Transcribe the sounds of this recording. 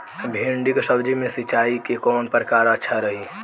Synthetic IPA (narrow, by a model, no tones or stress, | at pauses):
bʱĩɳɖiksəbd͡ʒimẽsit͡ʃaikekɔːnpɾkaːɾətːʃʰaɾəɦi